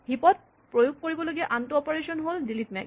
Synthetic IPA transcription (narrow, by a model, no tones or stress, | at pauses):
hipɔt̚ | pɹojuɡ̚koɹibɔloɡiɛʔantɔɔpeɹesɔnɦoldilitmɛ̰k